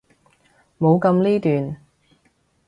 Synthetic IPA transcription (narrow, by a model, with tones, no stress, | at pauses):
mo˨˧wkɐ˧mliː˥t̪yː˨n